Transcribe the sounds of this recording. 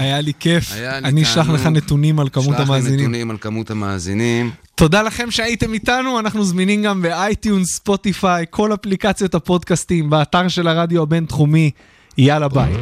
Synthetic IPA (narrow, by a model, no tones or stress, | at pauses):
ajalike̞faniːʃlaχleχane̞t̪unimalkamutamaːzinimnmlkamut̪amaːzinimto̞dalaχe̞mʃeaite̞mitanuanaχnuzminimɡambe̞ajt̪junsspo̞t̪ifajkʰo̞laplikat͡sjo̞t̪hapo̞d̪kast̪imbaːt̪aʁʃe̞laʁad̪joabe̞nt̪χumi | ijalabait